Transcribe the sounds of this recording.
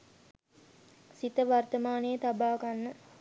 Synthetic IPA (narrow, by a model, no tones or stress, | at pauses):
sit̪əʋart̪əmaːnejət̪abaːɡanːə